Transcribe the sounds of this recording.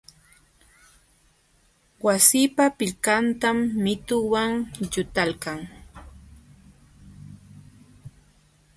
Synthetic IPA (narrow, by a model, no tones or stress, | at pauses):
wasipapɪʎkant̪amːɪt̪ʊwaŋʎʊt̪alkaŋ